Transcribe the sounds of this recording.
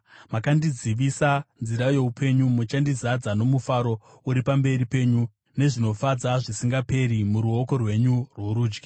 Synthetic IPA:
makandiziʋisanziɾaje̞upʰe̞ɲumut͡ʃandizad͡zano̞mufaɾo̞ | uɾipambe̞ɾipe̞ːɲu | ne̞ʐino̞fad͡zaʐisiŋɡape̞ɾimuɾuoko̞rwe̞ɲurwoɾuːd͡ʒɡi

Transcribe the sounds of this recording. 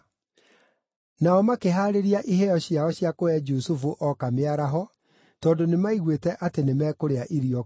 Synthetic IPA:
naɔmakeɦaːɾeɾiaʔiɦɛɔɕjaɔɕjakoɛd͡ʒusufuʔɔkameaɾaɦɔ | tɔːndonemaiɣwetɛʔatenemɛːkoɾeaʔiɾiɔ

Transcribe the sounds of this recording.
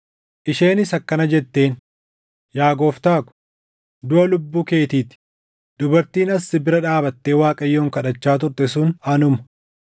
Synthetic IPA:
ʔɪʃe̞ːnɪsɐkːɐnɐd͡ʒɛt̪ːe̞ːn | jaːɡo̞ːft̪aːkʊ̥ | d̪ʊʔɐlʊbːuːke̞ːt̪iːt̪ɪ̥ | d̪̥ʊbɐɾt̪iːnɐsːɪbɪɾɐᶑaːbɐt̪ːe̞ːwaːkʼɐjːo̞ːŋkɐᶑɐt͡ʃːaːt̪̬ʊɾt̪ɛsuːnɐnʊmɐ

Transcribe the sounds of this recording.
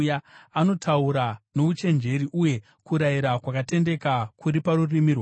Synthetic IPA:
jaano̞tʰauɾano̞ut͡ʃe̞nd͡ʒe̞ɾiʔuje̞ | kuɾaiɾakwakate̞nde̞kakuɾipaɾurimiːrwa

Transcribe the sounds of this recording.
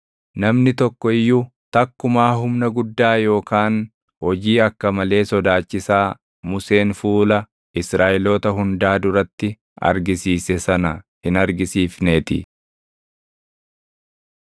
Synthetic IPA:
nɐmnɪt̪ɔkːɔɪjːʊ | t̪ɐkːʊmaːɦʊmnɐɡʊd̪ːaːjo̞ːkaːn | hɔd͡ʒiːɐkːɐmɐle̞ːsɔd̪aːt͡ʃːɪsaː | mʊse̞ːnfuːlɐ | ɪsɾaːʔɪlo̞ːt̪ɐɦʊnd̪aːd̪ʊɾɐt̪ːɪ | ɐ̰ɾɡɪsiːsɛsɐnɐhɪnɐɾɡɪsiːfneːt̪ɪ̰

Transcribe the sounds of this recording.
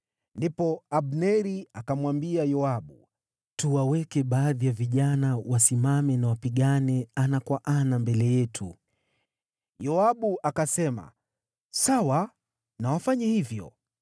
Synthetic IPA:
ndipɔaɓnɛɾiakamwambiajɔaɓu | tuwawɛkɛɓaːðijaviʄanawasimamɛnawapiɠanɛanakwaʔanambɛlɛjɛtʰu | jɔaɓuʔakasɛma̰ | sawa | nawafaɲahivjɔ̰

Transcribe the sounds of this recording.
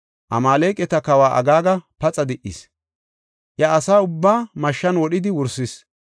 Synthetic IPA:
ʔɐ̰maːleːkʼɛt̪ɐkɐwaːʔɐ̰ɡaːɡɐpɐt͡sʼɐd̪ɪʔḭs | jɐːsaːʊbːaːmɐʃːɐnwɔɗɪd̪ɪwʊɾsɪs

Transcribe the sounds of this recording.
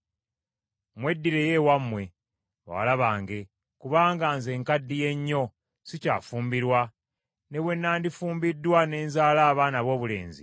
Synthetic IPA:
mwe̞dːiɾe̞je̞wamːwe̞ | wa̰laβaːŋɡe̞ | kuβaːŋɡaːnze̞ːŋkadːije̞ɲːo̞ | sica̰ːfuːmbiɾwa | ne̞βwe̞nːaːndifuːmbidːwane̞ːnzaːlaːβaːnaβo̞ːβule̞̰ːnzḭ

